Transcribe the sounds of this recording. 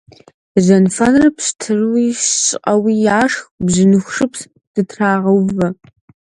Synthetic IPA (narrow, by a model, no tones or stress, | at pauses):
ʑɐnfɐnrɐpɕtʰɨrwiːsɕʼqʼɐwiːjaːʂxbʑɨnɨxʷʂɨps | d̥ɨtʰraːʁɐwvɐ